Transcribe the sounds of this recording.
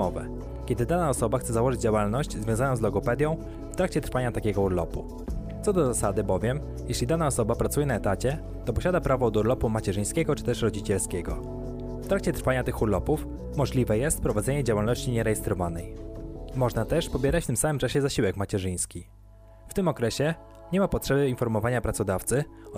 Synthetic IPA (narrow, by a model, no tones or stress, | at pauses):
ɔvɛ̰ | kʲɛd̪ɘd̪anaɔsɔbaxt̪ɛzawɔʐɘd͡ʑd͡ʑawalnɔɕd͡ʑzvʲjɔ̃zanɔ̃zlɔɡɔpɛd̪ʲjɔ̃w̃ | ft̪ɾakt͡ɕɛt̪ɾfaɲat̪akʲɛɡɔuɾlɔpu | t̪ɔd̪ɔzasad̪ɘbɔvʲjɛm | jɛɕlʲid̪anaɔsɔbapɾat̪sujɛnaɛt̪at͡ɕɛ | t̪ɔpɔɕad̪apɾavɔd̪uɾlɔpumat͡ɕɛʐɘj̃skʲɛɡɔt͡ʂɘ̥t̪ɛʂɾɔd͡ʑit͡ɕɛlskʲɛɡɔ̰ | ft̪ɾakt͡ɕɛt̪ɾfaɲat̪ɘxuɾlɔpuf | mɔʐlʲivɛjɛst̪pɾɔvad̪zɛɲɛd͡ʑawalnɔɕt͡ɕiɲɛɾɛjɛst̪ɾɔvanɛjmɔʐnat̪ɛʂpɔbʲjɛɾat͡ɕft̪ɘmsamɘmt͡ʂaɕɛzaɕiwɛkmat͡ɕɛʐɘj̃skʲi | ft̪ɘmɔkɾɛɕɛ | ɲɛmapɔtʂɛbɘinfɔɾmɔvaɲapɾat̪sɔd̪aft̪sɘ